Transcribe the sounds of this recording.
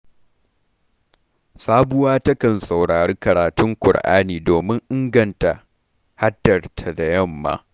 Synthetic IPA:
saː˦bʊ˦waː˦tɐ˦kɐ˨nsa˨wɽaː˨ɾeː˦kɐ˨ɾaː˨tʊ˦ŋkʷʊ̰˨rʔa̰ː˦niː˨doː˨mɪ˦ŋʔɪ˦ŋɡɐ˦˨nta˨ | ha˦dːɐ˨rtʰa˨da˨jɐ˦˨mːa̰ː˦

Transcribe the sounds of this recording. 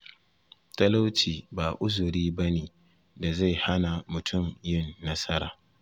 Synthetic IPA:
tɐ˦la˦wt͡ʃiː˨baː˨ʔʊ˦zʊ˨ɾiː˦bɐ˦neː˨ | da˨za˦˨jha˦na˨mʊ˨tʰʊ˦˨mjɪ˦˨nːɐ˦sɐ˦ɾaː˨

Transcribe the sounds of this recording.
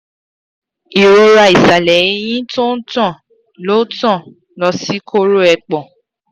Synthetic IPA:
i˨ɾo˧ɾa˨i˨sa˨lɛ˨ĩ˧˦j̃ĩ˦to˦n̩˦tɔ̃˦˨ | lo˦tɔ̃˦˨ | lɔ˧si˦kʰo˦ɾo˦ɛ˧k͡pɔ̃˨

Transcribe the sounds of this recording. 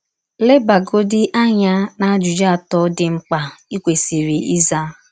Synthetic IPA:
le˦ba˨ɡo˦dɪ˦ʔa˦ɲa˦na˨˦d͡ʒu˨d͡ʒa˦a˨tɔ˨˦dɪ˦ŋ͡m̩˦k͡pa˨i˦kʷe˨si˨ɾi˨ʔi˦za˦˨

